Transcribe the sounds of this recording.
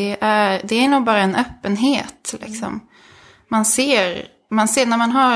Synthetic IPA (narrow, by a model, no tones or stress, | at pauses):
ɛʔæɾd̪ɛæɾɳuːɡ̚bɑːɾaɛnœːpːənɦeːt̪lʔɪ̰ksɔ̰mː | anseːɾ | manseːnæɾmanɦa